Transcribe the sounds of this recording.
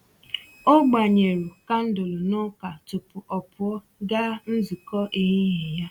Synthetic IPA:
o˦ɡ͡ba˨ɲe˨ɾu˨ka˦n̩˦dʊ˨lʊ˨nʊ˦ka˨tʊ˨pʊ˨ʔɔ˨pʊ˨ɔ˦ | ɡa˦n̩˦zi˨kɔ˦ʔi˨ɦe˦ɦe˨ja˦

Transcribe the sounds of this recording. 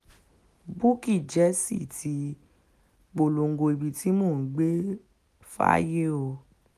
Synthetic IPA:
bu˦ki˦˨d͡ʒɛ˨˦sḭ˦˨tʰi˧˦ | ɡ͡bo˨lo˨ŋ̩˨ɡo˧i˨bi˨tʰi˨˦mo˦˨n̩˨˦ɡ͡be˦ | fa̰˦je˦o˧˨

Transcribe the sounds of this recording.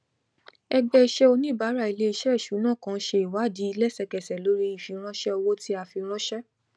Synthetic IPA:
ɛ˧ɡ͡bɛ˧i˧ʃɛ˦o˧nĩ˦˨ba˨˦ɾa˦˨i˨le˦i˧ʃɛ˦i˦˨ʃu˨˦nãː˦˨kã˧˦ʃe˧i˨wa˨˦˨di˨˦i˧lɛ˦sɛ˧kɛ˨sɛ˨lo˨˦ɾi˦i˨fi˧ɾ̃ɔ̃˦ʃɛ˦o˧wo˦ti˦a˧fi˧ɾ̃ɔ̃˦ʃɛ˦

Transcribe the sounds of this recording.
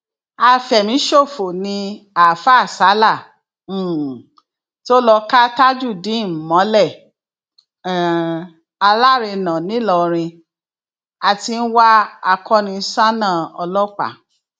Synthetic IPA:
a˧fɛ˨mĩ˨˦ʃo˦˨fo˨nĩ˧a˨fa˦˨sa˨˦la˦˨˦ | to˦lɔ˧ka˦ta˦d͡ʒu˦˨dĩ˨˦m̩˨mɔ̃˨˦lɛ˦˨ | a˧la˦˨ɾe˧nã˨nĩ˨˦lɔ˧ɾ̃ĩ˧ | a˨ti˧n̩˦wa˦a˧kʰɔ˦nĩ˧˦sa˦nã˦˨ɔ˧lɔ˦k͡pa̰˨

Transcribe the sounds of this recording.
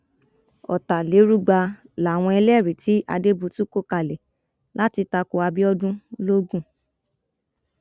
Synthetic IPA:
ɔ̰˨ta˨le˨˦ɾu˦ɡ͡ba˧ | la˨w̃ɔ̃˧ɛ˧lɛ˦˨ɾi˨ti˨˦ʔa̰˧de˦bu˧tu˦ko˦˨ka˧˨lɛ˨ | la˦ti˧ta˧ko˧a˧bi˦ɔ˦dũ˦lo˦ɡũ˦˨

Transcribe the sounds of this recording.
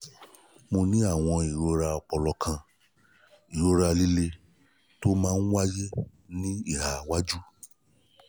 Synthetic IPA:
mo˧nĩ˦a˦˨w̃ɔ̃˧i˨ɾo˧˦ɾa˧ɔ˧k͡pɔ˧lɔ˧kʰã˧ | i˨ɾo˧ɾa˧li˦le˧ | to˦mãː˦n̩˦wa˦je˦ | nĩ˦i˦˨ɾa˨wa˦d͡ʒu˦

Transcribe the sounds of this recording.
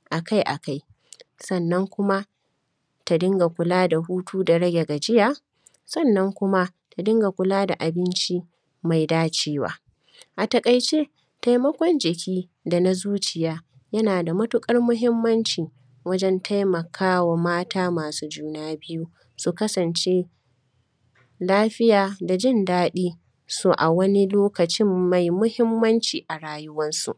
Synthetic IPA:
ʔa˨ka˦jʔa˨ka˦j | sɐ˦˨nːɐ˦ŋkʷʊ˦ma˦ | ta˨dɪ˦ŋɡa˨kʷʊ˨˦laː˦da˨huː˦tʰuː˦da˨ɽɐ˦ɡʲe˨ɡa˨d͡ʒɪ˦jaː˦ | sɐ˦˨nːɐ˦ŋkʷʊ˦ma˦ | ta˨dɪ˦ŋɡa˨kʷʊ˨laː˦da˨ʔa˨bɪ˦nt͡ʃi˦ | ma˨jdaː˦t͡ʃeː˦wa̰ː˦ | ʔa˨tɐ˨kʼɐ˨jt͡ʃeː˦ | ta˨jmɐ˦kʷɔ˦nd͡ʒɪ˨kʲʰiː˦ | da˨na˦zuː˦t͡ʃɪ˨jaː˦ | jɐ˦naː˨da˨mɐ˦tʊ˦kʼɐ˦rmʊ˦ɦɪ˦mːɐ˦nt͡ʃiː˨ | wɐ˦d͡ʒɛ˦ntʰa˦jmɐ˨kʰaː˦wa˨maː˦taː˦maː˨suː˦d͡ʒuː˦naː˦bɪ˦ju˦ | su˨kɐ˦sɐ˨nt͡ʃe˦ | laː˦ɸɪ˦jaː˨da˨d͡ʒɪ˦ndaː˦ɗiː˦ | soː˦ʔa˨wɐ˦ni˦loː˦kɐ˨t͡ʃɪ˦mːa˨jmʊ˦hɪ˦mːɐ˦nt͡ʃiː˨ʔa˨ɽaː˦jʊ˦wɐ˦nsṵ˨ʔ

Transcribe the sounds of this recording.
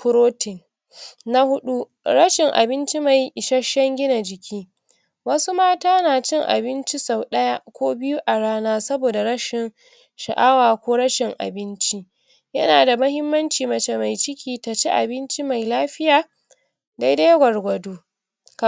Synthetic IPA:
pʊ˦ɾoː˦tɪ˨ŋ | na˦hʊ˦ɗu˦ | ɾɐ˦ʃɪ˨ŋʔa̰˨bɪ˦nt͡ʃi˦ma˨jʃɐ˦ʃːɐ˦ŋɡʲɪ˦na˨d͡ʒɪ˨kʲʰiː˦ | wɐ˦su˦maː˦taː˦naː˨t͡ʃɪ˦ŋʔa̰˨bɪ˦nt͡ʃi˦sa˨wɗɐ˦ja˦kʷoː˦bɪ˦ju˦ʔa˨ɽaː˦naː˦sɐ˦boː˨da˨ɽɐ˦ʃɪ˨ŋ | ʃɐ̰˨ʔa˦waː˨kʷoː˦ɽɐ˦ʃɪ˨ŋʔa̰˨bɪ˦nt͡ʃi˦ | jɐ˦naː˨da˨mɐ˦hɪ˦mːɐ˦nt͡ʃiː˨mɐ˨t͡ʃe˦ma˨jt͡ʃɪ˦kʲʰiː˨ta˨t͡ʃe˦ʔa̰˨bɪ˦nt͡ʃi˦ma˨jlaː˦ɸɪ˦jaː˨ | da˦jda˦jɡʷɐ˨rɡʷɐ˨duː˦ | k

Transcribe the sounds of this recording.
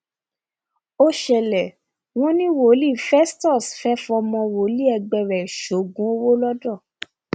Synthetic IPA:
o˦ʃɛ˧lɛ˨ | w̃ɔ̃˦nĩ˦wo˨˦li˦˨fɛ˦stɔ˦˨sfɛ˦fɔ˧mɔ̃˧wo˨˦li˦ɛ˧ɡ͡bɛ˧ɾɛ˨ʃo˨˦ɡũ˨˦o˦wo˦lɔ˦dɔ˦˨

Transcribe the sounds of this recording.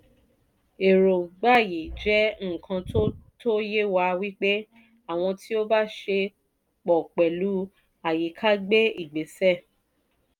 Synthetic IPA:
e˨ɾo˨ɡ͡ba˦˨ji˨d͡ʒɛ˨˦ŋ̩˦˨kʰã˧to˦to˦je˦wa˧wi˦k͡pe˦ | a˦˨w̃ɔ̃˧ti˦o˦ba˦ʃe˧ | k͡pɔ˨k͡pɛ˨lu˨˦ | a˨ji˨˦kʰa˦ɡ͡be˦i˦˨ɡ͡be˨˦sɛ˦˨

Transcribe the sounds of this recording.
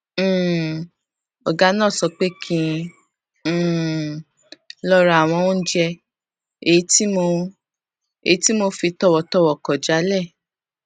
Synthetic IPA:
ɔ˨ɡa˧˦nãː˦˨sɔ˧k͡pe˦kʰĩ˧˦˨ | lɔ˦ɾa˨a˨w̃ɔ̃˧wɔ̃˦d͡ʒɛ˧ | e˨i˦ti˦mo˧ | ḛ˨i˦ti˦mo˧fi˧tɔ˦˨wɔ˨tɔ˦˨wɔ˨kɔ˨d͡ʒa˨˦lɛ˦˨

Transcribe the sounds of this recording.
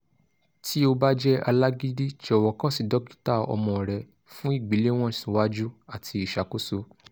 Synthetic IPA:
tʰi˦o˧ba˦d͡ʒɛ˦a˧la˦ɡi˦di˦t͡ʃɔ˨wɔ˨kã˦si˨dɔ˨˦ki̥˦ta˦˨ɔ̰˧mɔ̃˨ɾɛ˨ | fũ˦i˦˨ɡ͡bi˨˦le˦w̃ɔ̃˦sĩ˨˦wa˦d͡ʒu˦a˦˨tʰi˧i˨ʃa˨˦ko˦so˧˦

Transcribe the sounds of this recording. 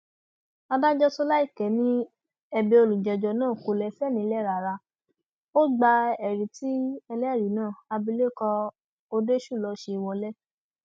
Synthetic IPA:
a˧da˦d͡ʒɔ˦so˧la˦i˦˨kɛ˨˦nĩ˦ | ɛ˧be˧o˧lũ˨d͡ʒɛ˨d͡ʒɔ˧nãː˦˨ko˧lɛ˧˦fɛ˦˨nĩ˨˦lɛ˦˨ɾa˨ɾa˧ | o˦ɡ͡ba˧ɛ˨ɾi˨ti˨˦ɛ˧lɛ˦ɛ˦˨ɾi˨˦nãː˦˨a˧bi˧le˦˨kɔ˧ | o˧de˦ʃu˦˨lɔ˧˦ʃe˧i˧wɔ˧lɛ˦

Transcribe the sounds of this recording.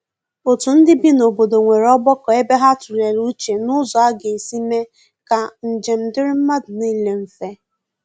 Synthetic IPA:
o˨tʊ˨n̩˦dɪ˦bi˦no˨bo˨do˨ŋʷe˨ɾɔ˦bɔ˦kɔ˨e˦be˦ɦa˦tu˨ɾe˨ɾu˦t͡ʃe˨nʊ˦zɔ˨a˦ɡe˨si˦me˦ | ka˨n̩˨d͡ʒe˨m̩˨dɪ˦ɾɪ˦m̩˦ma˦dni˦le˨m̩˨fe˦

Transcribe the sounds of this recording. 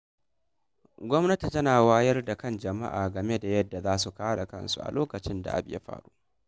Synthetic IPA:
ɡʷɔ˦mnɐ˦ti˨tɐ˦naː˨waː˦jɐ˦rda˨kɐ˦nd͡ʒɐ˨ma̰˦ʔa̰ː˨ɡɐ˨me˦da˨jɐ˦dːa˨zaː˦su˨kaː˦ɽa˨kɐ˦nsṵ˨ʔa̰˨loː˦kɐ˨t͡ʃɪ˦nda̰˨ʔa̰˦bja̰˦ɸa̰ː˨ɽuː˦ʔ

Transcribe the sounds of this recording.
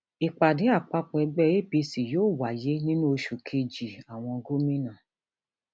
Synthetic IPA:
i˨k͡pa˨dɪ˨˦a˦˨k͡pa˦k͡pɔ˨˧ɛ˧ɡ͡bɛ˦˨e˦˨pi˧si˨joː˦˨wa˨je˦nĩ˦n˦o˧˦ʃu˨kʰe˧d͡ʒi˨a˨w̃ɔ̃˧ɡo˦mĩ˦nã˨

